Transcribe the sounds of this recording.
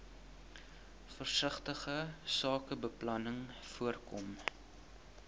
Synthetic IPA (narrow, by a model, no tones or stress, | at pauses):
fərsəχtəχəsɑːkəbəplɐnəŋfuərkɔm